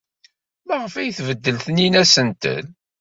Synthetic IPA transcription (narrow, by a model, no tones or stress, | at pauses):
læʁəfæjθvəd̪ːəlθəninæsənt̪ə̰n